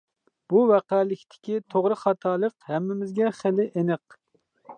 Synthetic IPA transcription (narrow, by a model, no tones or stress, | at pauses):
b̥uwɛqælɪkʲt̪ʰɪ̥kʲit̪ʰoʁɾɨχɑt̪ʰɑːlˠəqhɛmːɪmɪzɡʲɛχelɪʔenɨq